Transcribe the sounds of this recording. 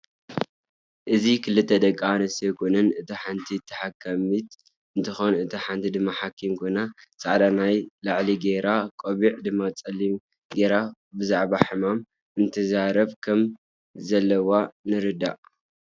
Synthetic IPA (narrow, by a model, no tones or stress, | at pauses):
ʔɨzikʰɨlɨt̪ʰːɐd̪ɐkʼːanɨsekʰunɨnɨt̪ʰiħant̪ʰit̪ʰːɨħakʰːamit̪ | ɨnt̪ʰɨxonɨt̪ʰiħant̪ʰid̪ɨmːaħakʰːimkʰonasʼa̰ʕd̪anajlaʕliɡeɾakʼoβiʕd̪ɨmːat͡sʼɐlːim | ɡeɾa | bɨzaʕbaħɨmam | ɨnt̪ʰɐzaɾɐβkʰɐm | zɐlːɐwanɨɾɨd̪aʔ